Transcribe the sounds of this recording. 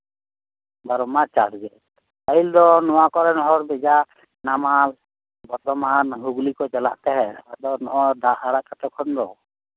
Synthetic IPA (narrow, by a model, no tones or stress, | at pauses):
baɾɔmat͡ʃaɾɡɛ | aild̪ɔnɔwakɔɾɛnɔɦɔɾbɛd͡ʒa | namal | bɔɾt̪ɔmanɦuɡlikɔd͡ʒɛla̰ʔt̪ɛɦɛad̪ɔnɔʔɔd̪ʱaʔaɾakaʈɔkʰɔnɾɔ